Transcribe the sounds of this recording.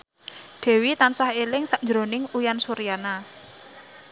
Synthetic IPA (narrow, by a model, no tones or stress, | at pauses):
ɖ̪̥ɛ̤wit̪ansahelɪŋsaʔɲd͡ʒɾonɪŋujansuɾijana